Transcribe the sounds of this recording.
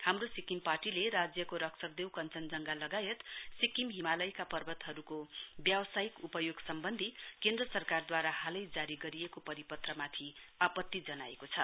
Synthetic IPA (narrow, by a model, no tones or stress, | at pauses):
hamrosikimparʈileɾad͡zjʌkoɾʌksʰʌk̚d̪ewkʌnt͡sʌnd͡zʌŋɡalʌɡajet̪sikimɦimalʌjkapʌrbʌt̪ɦʌɾukobjʌwsajikupʌjoɡsʌmbʌnd̪ʱikend̪rʌsʌrkard̪waɾahalʌjd͡zaɾiɡʌɾijekopʌɾipʌt̪rʌmat̪ʰiapʌt̪ːid͡zʌnaekot͡sʰʌ